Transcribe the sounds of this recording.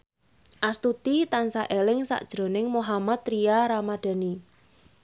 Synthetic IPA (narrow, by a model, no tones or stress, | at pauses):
ʔast̪ut̪it̪ansaʔelɪŋsa̰ʔd̥ʒ̥ɾo̤nɪŋmoɦamat̪ɾijaɾamad̥a̤ni